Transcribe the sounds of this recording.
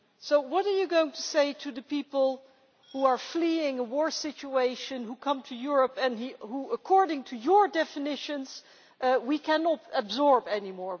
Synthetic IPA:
soʊwʌɾə˞jɨɡoʊɪ̃ŋtʰuseɪtʰɨðɨpipəl̩ˠ | huə˞fliɪ̃ŋəwɔɹsɪt͡ʃueɪʃɨ̃nhukʰʌ̃mtʰɨjʊɹəpɨ̃nihuəkʰɔɹɾɪ̃ŋtʰɨjəɹdɛfɨnɪʃɨ̃nz̥ | ʔwikʰænətəbzɔɹbɛnimɔɹ

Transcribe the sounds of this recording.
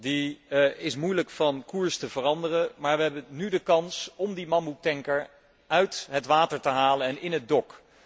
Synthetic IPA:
diɪsmujləkfɑnkuːɹstəvərɑndərəmaːɹʋəɦɛbənydəkɑnsɔmdimɑmutɛŋkəɹ | œɥtɦətʋaːtəɹtəɦaːlənɛnɪnɦəd̚dɔk

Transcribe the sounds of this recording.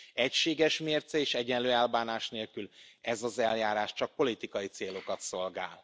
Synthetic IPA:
ɛcʃeːɡɛʃmeːrt̪sɛeːʃɛɟɛnløːɛlbaːnaːʃneːlkylɛzɒzɛljaːɾaːʃt͡ʃɒk̚po̞lit̪ikɒjit̪seːlo̞kɒt̪so̞lɡaːl

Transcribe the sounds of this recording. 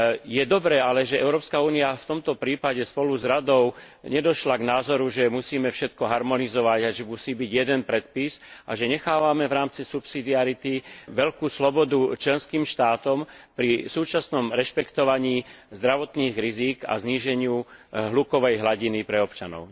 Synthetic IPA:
jɛd̪ɔbɾɛːalɛʒɛɛʊɾɔːpskauːniaft̪ɔmt̪ɔpɾiːpaɟɛspɔluzɾad̪ɔʊ | ɲɛd̪ɔʃlaɡnaːzɔɾuʒɛmusiːmɛfʃɛt̪kɔɦaɾmɔnizɔʋaɟaʒɛmusiːbiɟjɛd̪ɛnpɾɛt̪̚pisʔaʒɛɲɛxaːʋamɛʋɾaːmt͡sisupsid̪iaɾit̪iʋɛʎkuːslɔbɔd̪ut͡ʃlɛnskiːmʃt̪aːt̪ɔmpɾisuːt͡ʃasnɔmɾɛʃpɛkt̪ɔʋaɲiːzd̪ɾaʋɔt̪niːɣɾiziːɡa̰zɲiːʒɛɲɪuɦlukɔʋɛjɦlaɟinipɾɛɔpt͡ʃanɔ̰ʊ

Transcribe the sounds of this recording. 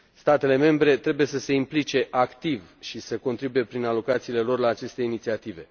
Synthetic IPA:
st̪at̪e̞le̞me̞mbɾe̞t̪ɾe̞buje̞səse̞implit͡ʃe̞ʔakt̪ivʃisəko̞nt̪ɾibuje̞pɾinalo̞kat̪siːle̞lo̞rlaːt͡ʃe̞st̪e̞init̪siat̪ive̞̰

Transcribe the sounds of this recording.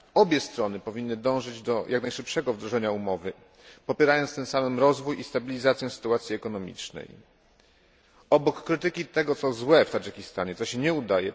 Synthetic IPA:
ɔbʲjɛst̪ɾɔnɘpɔvʲinːɘd̪ɔ̃w̃ʐɘd͡ʑd̪ɔjʔaknajʂɘpʂɛɡɔvd̪ɾɔʐɛɲaumɔvɘ | pɔpʲjɛɾajɔntst̪ɛ̃ñsamɘmɾɔzvujist̪abʲilʲizat̪sʲjɛsɘ̥t̪uat̪sʲjiɛkɔnɔmʲḭt͡ʂnɛ̰j | ɔbɔkːɾɘt̪ɘkʲit̪ɛɡɔt̪sɔzwɛft̪ad͡ʐɛkʲist̪aɲɛt̪sɔɕɛɲɛud̪ajɛ̰

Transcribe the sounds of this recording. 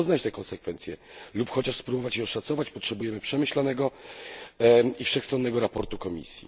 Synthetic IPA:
znat͡ɕt̪ɛkɔnsɛkfɛnt̪sʲjɛlupxɔt͡ɕaʂspɾubɔvat͡ɕjɛ̃ɔʂat̪sɔvat͡ɕpɔtʂɛbujɛmɘpʂɛmɘɕlanɛɡɔ | ifʂɛxst̪ɾɔnːɛɡɔɾapɔɾt̪ukɔmʲḭsʲjḭ

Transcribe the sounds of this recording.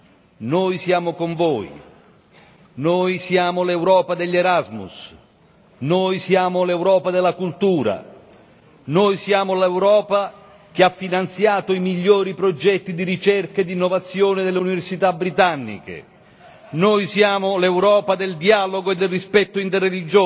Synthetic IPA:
nojsjaːmʊkoɱvoːj̰ | nojsjaːmʊlɛwɾɔːpad̪eʎːɛɾazmṵs | nojsjaːmʊlɛwɾɔːpad̪ɛlːakult̪uːɾa̰ | noːjsjaːmʊlɛwɾɔːpa | k̟ɪafːinant̪sjaːt̪oimiʎːoːɾipɾɔd͡ʒɛt̪ːid̪iɾit͡ʃɛrkaed̪ːinːɔvat̪sːjoːnɪd̪elːeuniveɾsit̪abɾit̪anːḭkḛ | noːjsjaːmʊlɛwɾɔːpad̪eld̪iaːloɡoed̪ːelrispɛt̪ːoʊint̪ɛrːelid͡ʒoː

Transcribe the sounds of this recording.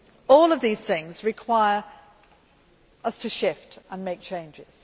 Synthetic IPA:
ɔːlˠəvðiːz̥θɪ̃ŋzɹɪkʰw̥aɪəɹ | ʌstʰəʃɪftʔə̃nmeɪk̚t͡ʃʰẽɪ̃nd͡ʒɪz̥

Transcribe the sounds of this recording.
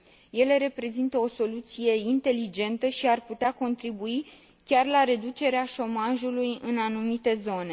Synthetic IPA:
je̞le̞ɾe̞pɾe̞zint̪əo̞so̞lut̪sije̞int̪e̞lid͡ʒe̞nt̪əʃiarput̪eako̞nt̪ɾibui | kʲarlaɾe̞d̪ut͡ʃe̞ɾeaʃo̞maʒulujɨnanumit̪e̞zo̞ne̞

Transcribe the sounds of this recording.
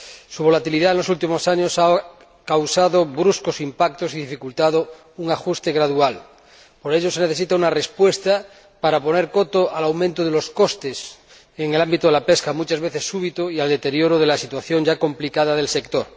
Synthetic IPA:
suβ̞o̞lat̪iliðaenlo̞sult̪imosaɲosa | kawsaðoβɾuskosimpak̚t̪osiðifikult̪aðo | uŋaxust̪e̞ɣɾaðual | poɾeʎose̞neθe̞sit̪aunarespwest̪a | paɾapo̞ne̞ɾkot̪oʔalawmẽnt̪oð̞eloskost̪es | eŋelambit̪oðelapeskamut͡ʃazβeθesːuβ̞it̪oiald̪e̞t̪e̞ɾjoɾoð̞elasit̪waθjo̞ŋd͡ʒako̞mplikaðaðe̞lse̞kt̪oɾ

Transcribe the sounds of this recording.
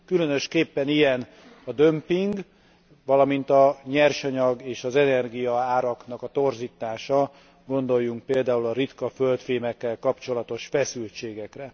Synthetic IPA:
kylø̞nø̞ʃkeːpːɛnijɛn | ɒd̪ømpiŋɡ | ʋɒlɒmint̪ɒɲɛrʃɒɲɒɡeːʃɒzɛnɛrɡijɒaːɾɒkn̪ɒkɒt̪o̞rziːt̪aːʃɒ | ɡo̞nd̪o̞jːuŋk̚peːld̪aːulɒɾit̪kɒfø̞lt̪feːmɛkːɛlkɒpt͡ʃo̞lɒt̪o̞ʃfɛsylt͡ʃeːɡɛkrɛ

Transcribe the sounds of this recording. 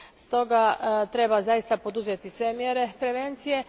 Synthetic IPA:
st̪o̞ɡat̪ɾe̞bazajist̪apo̞d̪uzet̪isʋe̞mjeɾepɾe̞ʋe̞nt̪sije̞

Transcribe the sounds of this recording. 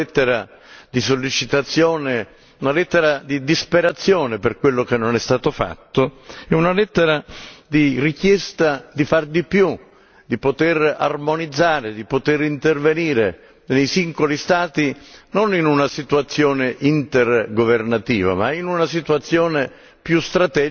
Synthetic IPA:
ɛt̪ːeɾa | d̪isolːit͡ʃit̪at̪sːjɔːne | unalɛt̪ːeɾad̪id̪ispeɾat̪sːjɔːneperkwelːok̟enːonɛst̪aːt̪ofa̰t̪ːoɛunalɛt̪ːeɾad̪irikjɛst̪ad̪ifard̪ipju | d̪ipot̪era̰rmonid̪zːaːɾed̪ipot̪eɾint̪erveniːɾe | nejsiŋɡolist̪aːt̪inoninunasit̪uat̪sːjɔːneʔint̪erɡovernat̪ḭːva̰mainunasit̪uat̪sːjɔːne | pjust̪ɾat̪ɛː

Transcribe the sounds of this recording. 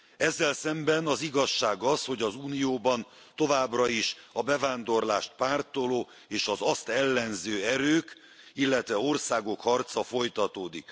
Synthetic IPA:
ɛzːɛlsɛmbɛnɒziɡɒʃːaːɡɒsho̞ɟɒzuːnijoːbɒn | t̪o̞vaːbrɒiʃɒbɛvaːnd̪o̞rlaːʃt̪̚paːrt̪oloː | eːʃɒzɒst̪ɛlːɛnzøːɛɾøːk | ilːɛt̪vɛo̞rsaːɡo̞khɒrt̪sɒfo̞jt̪ɒt̪oːd̪ik

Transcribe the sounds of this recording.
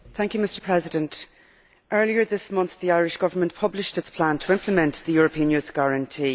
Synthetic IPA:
θæ̃ŋkjəmɪstə˞pʰɹ̥ɛzɪdə̃nt | ʔɜ˞liə˞ðɪsmʌ̃nθðiaɪɹɪʃɡ̥ʌvə˞mə̃nʔpʰʌblɪʃtɪtspʰl̥ãntʰəɪ̃mpʰləmɛ̃nðəjɔːɹəpʰĩə̃njʉθɡ̥aɹə̃ntʰiː

